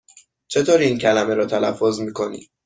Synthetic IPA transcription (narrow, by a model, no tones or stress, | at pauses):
t͡ʃʰe̞t̪ʰoːɾiːiːncʰælæmeɾɒːt̪ʰælæfːozmiːkʰo̞nḭ̥